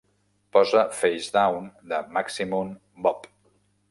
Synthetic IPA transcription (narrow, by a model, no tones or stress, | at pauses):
pɔzəfejzd̪awnd̪əmaksimun | bɔp